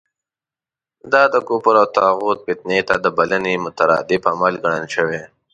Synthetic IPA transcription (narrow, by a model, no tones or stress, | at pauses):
d̪ɑd̪əkupʊɾawt̪ɑːɣuːt̪̚pɪt̪net̪ad̪əbɐlənimʊt̪aɾɑ̰ːd̪ɪbamalɡɐɽ̃ənʃəwe